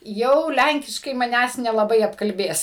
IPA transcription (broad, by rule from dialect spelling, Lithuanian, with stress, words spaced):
ˈjɛʊ ˈlʲæŋʲkʲɪʃkɐɪ mɐˈnʲæːs nʲɛlˠɐˈbɐɪ ɐpkɐlʲˈbʲeːs